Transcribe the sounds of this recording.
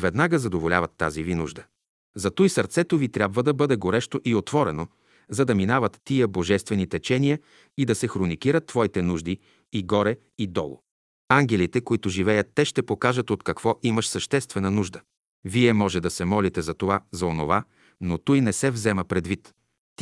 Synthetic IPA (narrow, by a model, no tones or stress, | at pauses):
vɛd̪naɡəzɐd̪ovolʲa̰vɐt̪ːa̰zivinṵʒd̪ə | zɐt̪ujsɐɾt̪sɛt̪ovit̪ɾʲjabvəd̪ɐbɤd̪ɛɡoɾɛʃt̪oʔiot̪vɔɾɛno | zɐd̪ɐminavət̪ːiəboʒɛst̪vɛnit̪ɛt͡ʃɛnijə | id̪ɐsɛxɾonikiɾət̪ːv̥ɔit̪ɛnuʒd̪i | iɡɔɾɛ | id̪ɔ̰lˠo̰ | aŋɡʲɛlit̪ɛkoit̪ʊʒivɛjət̪ːɛʃt̪ɛpokaʒət̪ot̪kɐkvɔʔiməʃsɐʃt̪ɛst̪vɛnənuʒd̪ə | viɛmɔʒɛd̪ɐsɛmɔlit̪ɛzɐt̪ovazɐono̰va | not̪ujnɛsɛvzɛməpɾɛd̪vit̪